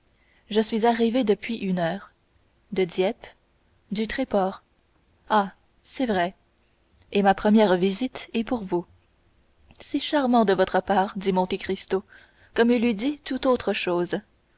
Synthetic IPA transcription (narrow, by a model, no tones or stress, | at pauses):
ʒəsɥizaʁived̪əpɥiʔynœːʁ | d̪əd̪jɛp | d̪yt̪χɛpɔːʁ | a | sɛvʁɛ | emapχəmjɛːʁvizit̪ɛpuʁvu | sɛʃaʁmɑ̃d̪əvɔt̪χəpaːʁd̪imɔ̃t̪ekʁist̪o | kɔmilid̪it̪ut̪ot̪χəʃoːz